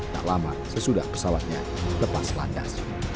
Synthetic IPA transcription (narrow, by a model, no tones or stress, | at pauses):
t̪a̰ʔlama | səsudahpə̥sawat̪̚ɲa | ləpaslanda̰s